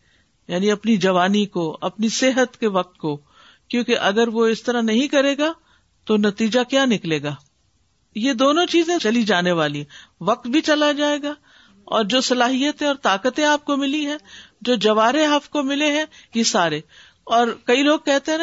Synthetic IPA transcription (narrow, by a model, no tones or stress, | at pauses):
jaːniɐpnid͡ʒɐʋaːnikoɐpniseɦət̪keʋɐq̚t̪̚ko | kjõːkeʔɐɡəɾʋoɪst̪ɐɾanɐɦĩkɐɾeːɡa | t̪onɐt̪iːd͡ʒakjaːnɪkleːɡaː | jed̪oːnõt͡ʃiːzẽt͡ʃɐlid͡ʒaːneʋaːliɦɛ̃ʋɐq̚t̪̚bʱit͡ʃɐlad͡ʒaːeːɡaː | ɔ̰ːɾd͡ʒoːsɐlaːɦijət̪ẽɔːɾt̪aːkət̪ẽaːp̚komɪliɦɛ̃ːd͡ʒoːd͡ʒɐʋaːɾeɦɐfkomɪleɦɛ̃jesaːɾe | ɔːɾkɐiloːɡ̚kɛɦt̪eɦɛ̃